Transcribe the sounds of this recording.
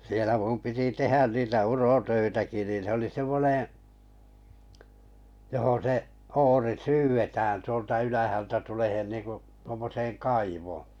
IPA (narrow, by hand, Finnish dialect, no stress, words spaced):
sielæ mum piti tehæn niːtæ urotøitæki niːn̞ se oli semːonẽː johon seʔ oːri syːʋetæːn tuoltɑ ylæhæltæ tulehen niːŋku tuomːoseːŋ kɑiʋoː